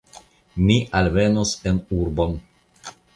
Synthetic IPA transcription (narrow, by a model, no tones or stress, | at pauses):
miʔalmenosenuɾbon